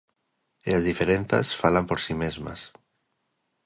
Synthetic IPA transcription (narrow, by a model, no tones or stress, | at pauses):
eazðifeɾen̟θa̰sfalampoɾsimezma̰s